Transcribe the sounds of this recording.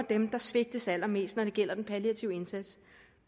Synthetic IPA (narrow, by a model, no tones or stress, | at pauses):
ɐd̥emd̥ɑ̈sʋe̝ɡ̥̚d̥əsæl̰ɐme̝̰ːsd̥nɒɾ̥e̝ɡ̥el̰ɐd̥enpʰæliæt͡sʰiʊəe̝nsæd̥s